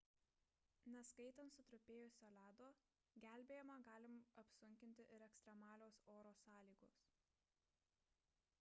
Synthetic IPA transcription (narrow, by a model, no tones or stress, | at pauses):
nʲɐskɐɪt̪ɐnt̪sʊt̪ɾʊpʲeːjʊsʲoːlʲæːd̪oː | ɡʲæˑlʲbʲeːjɛmɐɡɑːlʲɪmɐpsʊŋʲkʲɪnʲt̪ʲɪʔɪɾɛkst̪ɾʲɛmɑːlʲoːsoːɾoːsɑːlʲiːɡoːs